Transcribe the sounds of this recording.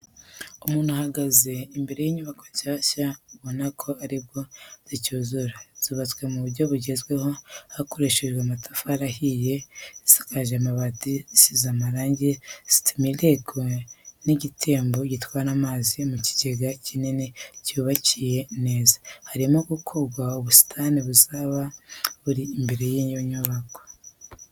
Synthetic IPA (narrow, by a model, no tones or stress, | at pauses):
umuːn̥huhaɡaze̞imbe̞ɾe̞jiɲuβakoɲʃaːʃauβo̞nakʰo̞aɾibɡo̞z̥icuːzuɾaz̥iβat͡swe̞muβuɾɟo̞βuɟe̞zɡwe̞ho̞hako̞ɾeʃeʒɡweamatʰafaɾahije̞sḁkaʒamaβatisizamaɾaːɲɟez̥i̥tʰumile̞ɡoniɟitʰe̞ːmbo̞ɟitwaɾamaːzimuci̥ɟ̥eɡacininecuβacije̞ne̞ːzḁhaɾimoɡukʰo̞ɡwaoβusi̥tʰaniβuzaβaβuɾiːmbe̞ɾe̞jiːɲoɲuβako̥